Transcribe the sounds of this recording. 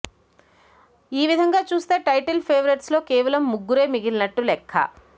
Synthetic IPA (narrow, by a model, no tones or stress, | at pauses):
iːʋid̪ʱɐŋɡaːt͡ʃuːst̪e̞ːʈɐjʈɐlpʰeːʋɐɾeʈslo̞ːkeːʋɐlɐmːuɡːuɾe̞ːmiɡilnɐʈːulɛkʰːɐ̰